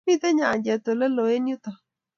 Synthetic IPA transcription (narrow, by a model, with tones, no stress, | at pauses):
i˦t̪ɛ˦ɲa˨ɲd͡ʒɛ˨t̪o˨lɛ˦lo˨e˦njʊ˦t̪ɔ˨